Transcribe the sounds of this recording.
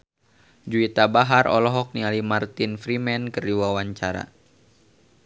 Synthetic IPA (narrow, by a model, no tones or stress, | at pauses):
d͡ʒuit̪abaɦaɾʔɔ̰lɔɦɔk̚nialimart̪infɾimɛnkəriwawaɲt͡ʃaɾa̰